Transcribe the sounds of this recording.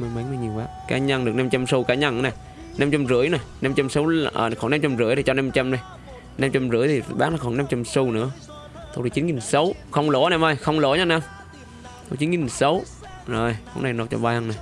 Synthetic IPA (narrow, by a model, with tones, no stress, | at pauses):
ma˨˧˩ma˨˦ŋnaː˨˧˩ɲi˨˩əwkaː˨˦ka̰ː˨˦ɲa˧nɗɨ˨˩ək̚na˧mt͡ɕa˧mso˧wkaː˨˦ɲa˧nŋ˧na˨˩j | na˧mt͡ɕa˧mzɨ̰˧˥əjna˨˩jna˧mt͡ɕa˧msə˨˦wʔəː˨˩xnaː˧mt͡ɕa˧mzɨ̰˧˥əjt̪ʰi˨˩t͡ɕɔ˧na˧mt͡ɕa˧mna˨˧˩j | na˧mt͡ɕa˧mzɨ̰˧˥əjt̪ʰi˨˩˨ɓaː˦˥k̚naː˨˩xɔ˨˧˩na˧mt͡ɕa˧mso˧wnɨ̰˧˥ə | t̪o˨˩t̪i˨˩t͡ɕi˨˦nŋi˨˩nsə˨˦wxə˧wŋ͡mlo˧˩˦naː˨˧˦mʔə˧˩jxə˧wŋ͡mlo̰˧˨˦ɲaː˨˧˦na˧m | t̪ʰo˨˧˩t͡ɕi˨˦ŋi˨˩sə˨˦w | zo˨˩jho̰˨˧˦wna˨˧˩nɔ˨˩t͡ɕɔ̰˧˩ɓaː˧ɲa˧na˨˩j